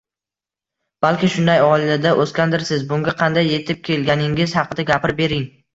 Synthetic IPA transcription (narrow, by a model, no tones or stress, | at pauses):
b̥alkʲɪʃʊnd̪ajɒlad̪aʔoskʲand̪ɪɾsɪzbʊŋɡʲaqʰɑnd̪ajːe̞t̪ʰɪp̚kʲʰe̞lɡʲanɪŋɪz̥hɑqɨd̪aɡʲapɪɾbe̞ɾɪŋ